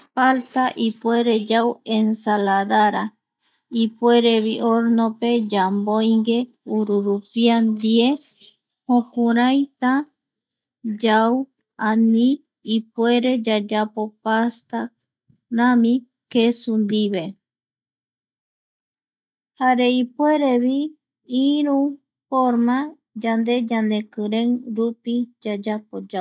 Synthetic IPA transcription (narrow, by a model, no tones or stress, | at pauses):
falt̪aʔipwe̞ɾed͡ʒawensalaðaɾa | ipweɾeβiʔoɾnope̞d͡ʒambojŋɡe̞ | uɾuɾupiand̪ie | hõkuɾajt̪a | d͡ʒaw | anĩ | ipwe̞ɾed͡ʒad͡ʒapo̞past̪a | ɾãmĩ | kesund̪iβe̞ | haɾe̞ipwe̞ɾe̞βi | iɾũ | foɾmã | d͡ʒand̪e̞d͡ʒand̪e̞kɨɾẽŋɾupid͡ʒad͡ʒapod͡ʒa